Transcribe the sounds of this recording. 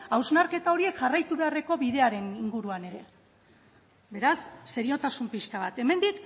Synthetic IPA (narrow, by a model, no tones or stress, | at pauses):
awznaɾke̞t̪ao̞ɾie̞kʝarajt̪uβe̞are̞ko̞βiðe̞aɾe̞niŋɡuɾuane̞ɾe̞ | be̞ɾasːe̞ɾio̞t̪asumpiskaβ̞at̪e̞me̞nd̪ik